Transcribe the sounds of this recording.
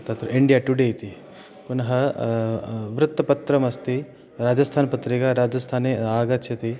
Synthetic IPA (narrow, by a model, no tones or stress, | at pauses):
t̪at̪ɾiɳɖijaʈuɽejt̪i | kunɦɐ | ʋɾut̪ːɐpɐt̪ɾɐmɐst̪i | ɾaːd͡ʒɐst̪ʰaːnpɐt̪ɾikaɾaːd͡ʒɐst̪ʰaːneaːɡat̪ɕʰɐt̪i